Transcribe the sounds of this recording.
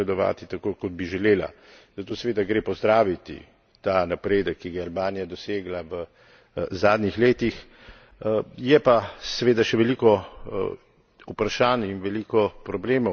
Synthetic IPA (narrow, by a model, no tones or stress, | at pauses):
ɛd̪ɔʋa̰ːt̪it̪akoːkɔd̪̚biʒɛleːla̰zat̪osɛʋeːd̪aɡɾeːpɔzd̪ɾaːʋit̪ḭ | t̪anapɾeːd̪əkʰːiɡaalbaːnijad̪ɔseːɡlaʋə | zaːd̪nixleːt̪ix | jɛpasɛʋeːd̪aʃɛʋɛlikɔ | upɾaʃaːninʋɛliːkɔpɾɔbleːmɔ